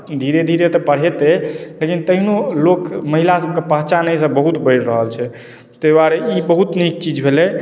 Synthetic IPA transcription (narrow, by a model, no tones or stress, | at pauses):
d̪ʱiɾed̪ʱiɾet̪ɔpəɽ̤ɛt̪elekint̪əɦinolokməɦilasəb̚kepəɦt͡ʃanəjsə̃bəɦut̪bəɪɾɾəɦəlt͡ʃʰɛ | t̪əbaɾeibəɦut̪nik̚t͡ʃid͡ʒbʱelɛ